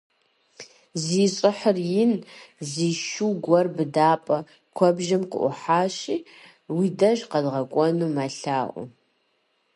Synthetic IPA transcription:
ziːɕʼɪħərjɪnziːʃuwɡʷɔrbɨdaːpʼɐ | kʷʰɔbʒɪmqə̰ʔʷʊ̰ħaːɕiː | widɐʒqɐdʁɐkʷʼɔnuːmaɬaːʔʷʊ̰

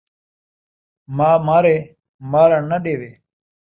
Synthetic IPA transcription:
maːmaːɾeː | maːɾanɐɗeːʋeː

